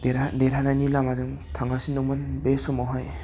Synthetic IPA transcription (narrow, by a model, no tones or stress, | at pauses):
deɾadeɾananilamazɯŋ | tʰaŋɡasinːɔŋmɯnbesɔmaɦaj